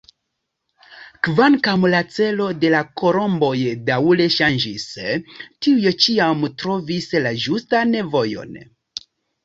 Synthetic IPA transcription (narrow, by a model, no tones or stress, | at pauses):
kvaŋkamlat͡se̞lo̞de̞lako̞ɾo̞mbo̞jdale̞ʃand͡ʒistiujet͡ʃiamtɾo̞vislaʒustane̞vo̞jo̞̰n